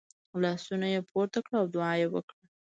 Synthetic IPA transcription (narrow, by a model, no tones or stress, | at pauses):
lɑsunajepʰoɾt̪akɽaːwd̪ʊɑjewə̰kɽa